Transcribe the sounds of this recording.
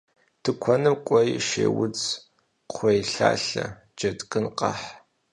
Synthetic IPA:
tʰɨkʷʰɔnɨmkʷʼɔjʃeːwʊd͡z | qʷʰejɬa̰ːɬɐ | d͡ʒɐtʼkʼɨnqɑ̰ħ

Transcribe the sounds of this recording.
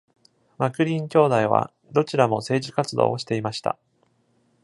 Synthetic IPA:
makɯ̟ɾʲĩŋkʲo̞ːd̪aiβa̰ | d̪o̞t͡ɕiɾamo̞se̞ːʑikat͡sɨd̪o̞̰ːoɕi̥t̪e̞imaɕi̥t̪a̰

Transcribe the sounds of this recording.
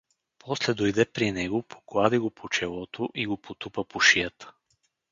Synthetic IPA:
pʰɔslɛd̪ojd̪ɛpɾinɛɡopʰo̥klˠad̪iɡopʰot͡ʃɛlˠɔt̪ʰoʔiɡopot̪upəpoʃijət̪ə̥

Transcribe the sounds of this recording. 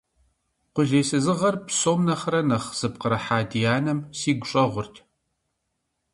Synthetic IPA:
qʷʊɮeːsɨzɨʁɐrpsoːmnɐχɐɾɐnɐχz̥ɨp̚qəɾɐħaːdijaːnɐmsiːɡʷʊɕʼɐʁʷʊrtʰ

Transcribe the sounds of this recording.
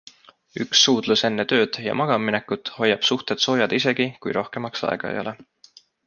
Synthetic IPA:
yksːuːd̪̥luse̞nːet̪ø̞ːd̪̥jɑ̰mɑɡ̥ɑmːine̞kːˑut̪ho̞jːɑb̥suht̪et̪so̞ːjɑd̪̥ise̞ɡ̥ikujɾo̞hke̞mɑksɑ̰ḛɡ̥ɑ̰jo̰le

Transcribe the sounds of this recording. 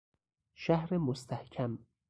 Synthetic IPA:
ʃæhɾemost̪ʰæhcʲʰæm

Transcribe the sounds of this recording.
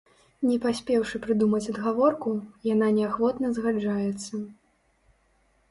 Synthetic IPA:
nʲɛpasʲpʲɛwʂɨpɾɨd̪umɐt͡sʲɐd̪ɣavɔrkujananʲɛaxvɔt̪nɐzɣad͡ʐajɛt̪sːɐ

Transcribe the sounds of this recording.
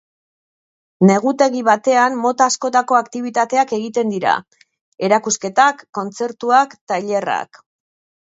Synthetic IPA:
ne̞ɣ̞ut̪e̞ɣiβat̪e̞anmo̞t̪aːsko̞t̪ako̞akt̪iβ̞it̪at̪e̞ake̞ɣ̞it̪e̞nd̪iɾa̰ | e̞ɾakuske̞t̪akːo̞nt͡se̞ɾt̪uakt̪aeʎe̞ra̰k

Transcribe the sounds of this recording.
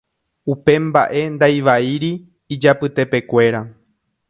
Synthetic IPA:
upẽ̞mba̰ʔe̞nd̪ajʋaiɾiː | d͡ʒapɨt̪e̞pe̞kʷe̞ɾa

